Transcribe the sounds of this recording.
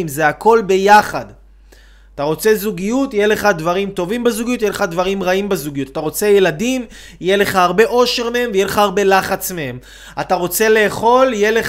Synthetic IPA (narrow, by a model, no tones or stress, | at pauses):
mzeakʰo̞lbe̞jaχad̪ | ataʁo̞t͡se̞zuɡijutjele̞χad̪vaʁimt̪o̞vimbezuɡijut̪̬jeleχad̪vaʁimʁaimbezuɡijut̪at̪aʁo̞t͡se̞jeladim | jele̞χaaʁbe̞ʔo̞ʃe̞ʁmehe̞mvejeleχaaʁbe̞laχat͡smehe̞m | ataʁo̞t͡se̞le̞ːχo̞ljele